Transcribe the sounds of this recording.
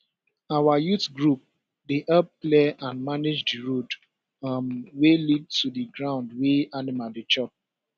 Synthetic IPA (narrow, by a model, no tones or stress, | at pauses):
awajutɡɹup̚ | deʔɛp̚pleãnmaned͡ʒdiɹod | mwelid̚tudiɡɹãʊ̃ndweanimadet͡ʃɔp̚